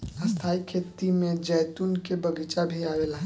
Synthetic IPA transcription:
ɐst̪ʰaːikʰeːt̪imẽd͡ʒɛːt̪unkebɐɡit͡ʃabʱiaːʋeːlaɦ

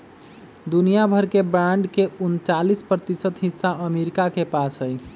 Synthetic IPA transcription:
d̪unijabʱəɾkebɾaɳɖkeunt͡ʃalispɾət̪isət̪ɦisːaʔəmeɾikakepasɦəj

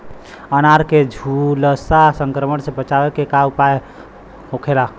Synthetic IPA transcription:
ənaɾked͡ʒʱuləsasəŋkɾəməɳsẽbət͡ʃawekekaupaje | ɦokʰela

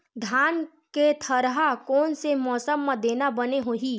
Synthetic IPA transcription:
d̪ʱaːn | ket̪ʰəɾɦakɔːnsemɔːsəmːãd̪eːnabəneɦoːɦiː

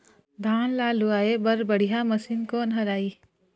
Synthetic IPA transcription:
d̪ʱaːnlaːluaːebəɾbəɽ̤ijaməsinkoːnɦɐɾaːiː

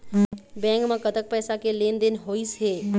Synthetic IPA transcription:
bɛ̃ŋkmãkət̪ək̚pɛːsakelend̪enɦoit͡ʃʰe

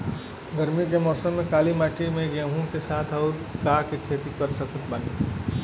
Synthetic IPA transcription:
ɡəɾmikemɔːsəmːẽkaːlimaːʈimẽɡẽɦũkesaːt̪ʰɔːɾkaːkekʰeːt̪ikəɾsəkət̪̚ban

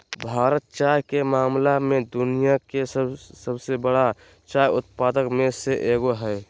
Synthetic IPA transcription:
bʱaːɾət̪̚t͡ʃaːjkemaːmlamẽd̪ʊnijakessəbsebəɽa | t͡ʃaːjʊt̪̚paːd̪əkmẽseʔeːɡoɦɛɪ

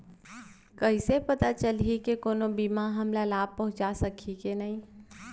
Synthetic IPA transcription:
kəɪsepət̪at͡ʃəlɦikekoːnobiːmaɦɐmlalaːb̚pəɦʊ̃t͡ʃasəkʰikenaɦĩː

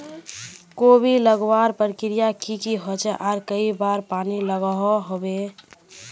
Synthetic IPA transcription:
kobʱiləɡwaːɾpəɾkɪɾijakikiɦot͡ʃɛʔaːɾkəibaːɾpaːniləɡəɦɔɦobe

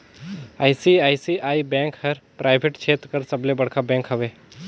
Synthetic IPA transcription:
aːisiaːisiaːibɛ̃ːŋkhɐɾpɾʔaːɪbʱeʈt͡ʃʰeːt̪ɾkɐɾsɐblebɐɽkʰabɛ̃ːŋkɦɐʋeː

